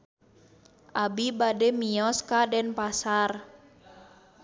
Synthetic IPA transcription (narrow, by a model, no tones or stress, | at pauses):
ʔabibadɛmiɔskadɛnpasar